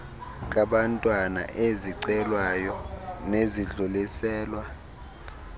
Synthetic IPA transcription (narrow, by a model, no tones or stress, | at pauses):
k̬ʼaɓantʼwana̰ʔeziǀɛlwajɔneziɮulisɛːlwa